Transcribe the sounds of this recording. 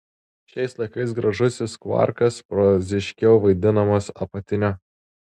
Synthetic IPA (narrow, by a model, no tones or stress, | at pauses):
ʃʲɛɪslˠɐɪkɐɪsɡɾɐʒʊsʲɪskʋɐ̰ɾkɐspɾɔzʲɪʃʲkʲɛʊʋɐɪd̪ʲɪnɐmɐsɐpɐt̪ʲɪnʲɛ